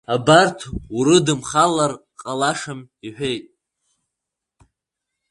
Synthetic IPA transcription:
abartʰuɾɨdɨmχalar | qʼalaʂamiħʷᶣejtʼ

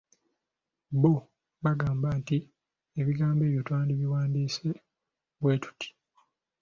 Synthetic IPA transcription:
bo | βaɡaːmbanti | eβiɡaːmbe̞ːβjotwaːndiβiwaːndiːse̞ | βwe̞ːtu̥tʰi̥

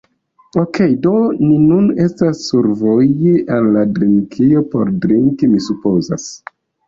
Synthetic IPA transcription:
okʰe̞jdo̞ninune̞stasːuɾvojiʔenladɾiŋkʰio̞po̞̰ɾdɾiŋkimisupo̞za̰s

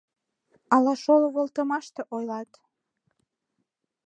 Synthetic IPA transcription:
ɑlɑʃoloβolˠt̪əmɑʃt̪eʔojlɑt̪

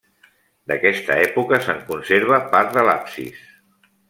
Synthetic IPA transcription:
d̪əkɛst̪əɛpukəsəŋkunseɾβ̞əpaɾt̪d̪əlapsḭs

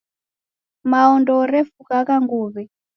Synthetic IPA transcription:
maɔndɔɾɛfukakaŋɡuːβɛ

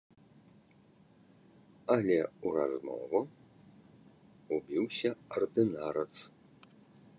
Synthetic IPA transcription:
ɐlʲɛuɾa̰zmɔ̰vu | ubʲiwsʲɐɐrd̪ɨnaɾɐt̪s

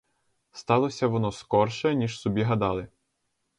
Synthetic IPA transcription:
st̪ɑlˠɔsʲɐʋɔnɔskɔrʃɛnʲiʃsɔbʲiɦɐd̪ɑlˠɪ

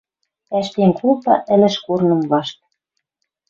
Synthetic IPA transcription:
æʃt̪eŋkʰulpɑʔɘ̆lɘ̆ʃkurnɤ̆mβɑʃt̪̚

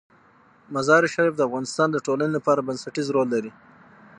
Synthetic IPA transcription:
mazɑɾiʃaɾifd̪əafɣɑnɪst̪ɑnd̪əʈolanelapɑɾabansaʈizɾolːaɾi

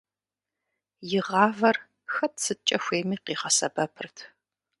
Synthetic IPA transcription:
jɪʁɑːvɐr | xɐtʰsɨt͡ʃʼɐxʷeːmiːqiːʁɐsɐbɐpʰɨrtʰ

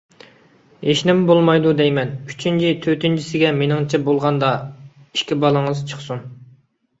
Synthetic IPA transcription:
eʃnɪmbolˠmɑjd̪ud̪ɛjmɛnyt͡ʃʰint͡ʃʰit̪ʰøt̪ɪnt͡ʃʰisɪɡʲɛmenɪŋt͡ʃʰɛbolˠʁɑnd̪ɑ | iʃkʲibɑlˠɨŋɨzt͡ʃʰə̥χsun

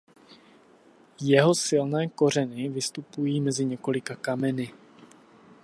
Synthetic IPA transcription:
jɛɦo̞sɪlnɛːko̞r̝ɛnɪvɪst̪upujiːmɛzɪɲɛko̞lɪkakamɛnɪ

